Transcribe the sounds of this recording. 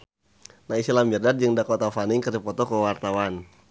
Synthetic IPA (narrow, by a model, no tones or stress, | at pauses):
naisilambirdat̪̚d͡ʒɨŋdakot̪afanɪŋkərdipɔt̪ɔkəwart̪awan